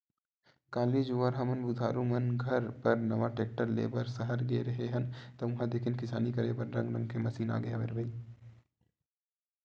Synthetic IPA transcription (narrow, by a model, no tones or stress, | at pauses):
kaːlid͡ʒuʋaɾɦɐmɐnbud̪ʱaːɾumɐnɡʱɐɾpɐɾnɐʋaʈeːk̚ʈəɾlḛːbəɾsɐɦəɾɡeɾɐɦeɦɐnt̪ɐʊ̃ɦãd̪eːkʰɪnkɪsa̰ːnikɐɾebɐɾɾɐ̃ŋɡɾə̰̃ŋɡkʰemɐsiːna̰ːɡeaʋḛɾbɐi